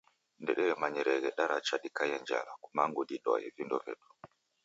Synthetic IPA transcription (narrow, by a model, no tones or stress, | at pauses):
ndɛɗɛɾɛmaɲɛɾɛɡɛɗaɾat͡ʃaɗikajaɲd͡ʒa̰lakumaŋɡodiɗɔ̰jɛvindɔvɛ̰ɗɔ